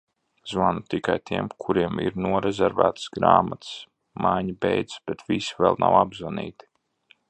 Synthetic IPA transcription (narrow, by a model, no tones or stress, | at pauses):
zvanut̪ikajt̪iɛmkʰuɾiɛmḭɾnuɔɾɛzʲɛɾvæ̰ːt̪sɡɾaːmat̪s | majɲibɛjd̪zb̥ɛt̪visivɛlˠna̰wabzvanḭːt̪i̥